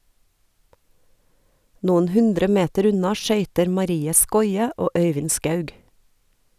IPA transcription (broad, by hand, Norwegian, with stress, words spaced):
ˈnuːən ˈhʉndɾə ˈmeːtəɾ ˈʉnɑ ˈʃœʏtəɾ mɑˈɾiːə ˈskɔʏə ˈoː ˈœʏʋɪn ˈskɑʉɡ